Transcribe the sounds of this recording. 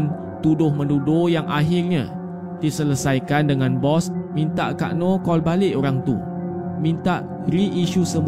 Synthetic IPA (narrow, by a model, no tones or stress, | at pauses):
n | t̪udʊhmə̃ndudojaŋʔaɦirɲã̰ | d̥isələsajkandəŋãnbɔsmĩnt̪a̰ʔka̰ʔnɔ̃kɔlbalɪʔoɾaŋt̪ṵ | mĩnt̪aʔ | riʔːʃusəm